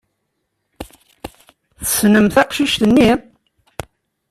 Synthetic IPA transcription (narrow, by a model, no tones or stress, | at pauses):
θə̥snəmθæqʃiʃt̪ənːi